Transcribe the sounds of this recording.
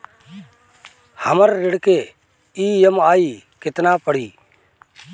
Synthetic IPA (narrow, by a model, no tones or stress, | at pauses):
həməɾːɪɽkeː | iːjəmaːiː | kɪt̪naːpəɽ̤iː